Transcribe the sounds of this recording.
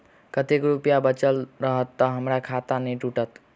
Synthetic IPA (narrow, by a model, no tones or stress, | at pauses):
kət̪ekɾupjabət͡ʃəlɾəɦət̪ːəɦəmɾakʰat̪aneʈuʈət̪